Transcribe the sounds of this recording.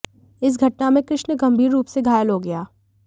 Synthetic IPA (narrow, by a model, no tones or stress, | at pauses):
ɪs̬ɡʱɐʈnamẽkɾɪʃnəɡɐ̃mbʱiːɾːuːpseɡʱaːjəlɦoɡɐjaː